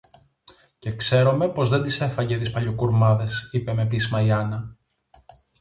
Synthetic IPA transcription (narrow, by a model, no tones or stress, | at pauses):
ce̞kse̞ɾo̞me̞po̞zðe̞nd̪ise̞fɐɲɟe̞t̪ispɐʎo̞kuɾmɐðe̞sipe̞me̞pismɐiɐnɐ